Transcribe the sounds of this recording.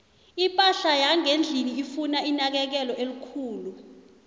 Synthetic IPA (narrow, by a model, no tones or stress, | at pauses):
ipʼaɬajaŋend͡ɮʱiniifunainak̬ɛk̬ɛlɔʔelukʰuːlu